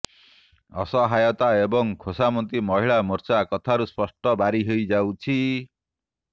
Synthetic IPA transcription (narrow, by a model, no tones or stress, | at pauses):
ɔ̰sɔɦajɔt̪aebɔŋkʰosamɔnt̪imɔɦiɭamɔɾt͡ʃakɔt̪ʰaɾuspɔsʈɔbaɾiɦojd͡ʒawt͡ʃʰi